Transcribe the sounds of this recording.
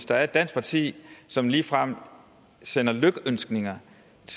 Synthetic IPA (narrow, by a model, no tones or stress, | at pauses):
sd̥ɐæɐe̝d̥æn̰sɡ̥̚pʰɑ̈t͡sʰḭːsɒ̽mliːfʁɑm̰ | senɐløɡ̥əønsɡ̥ne̝ŋɐ | t͡sʰ